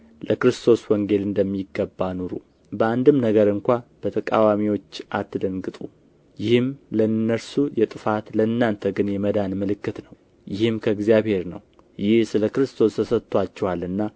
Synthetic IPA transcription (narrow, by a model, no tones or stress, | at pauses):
ləkɾɨst̪ʰo̞swɔŋɡe̞lɨnd̪əmːiɡːəbːanuɾṵ | bəand̪ɨmnəɡəɾɨŋkʷab̥ət̪ʰəkʼawamiwo̞t͡ʃːʔat̪ʰːɨd̪əŋɡɨt̪ʼu | jɪhɨmlənːəɾsujɛt̪ʼɨfat̪ləɨnːant̪ʰəɡɨnjɛməd̪anməlɨkːɨt̪nəw | jɪhɨmkʰəɨɡzjaβhe̞ɾnə̰w | jɪhsɨləkɨɾɨst̪ʰo̞st̪ʰəsət̪ʰːwat͡ʃːɛwalɨnːa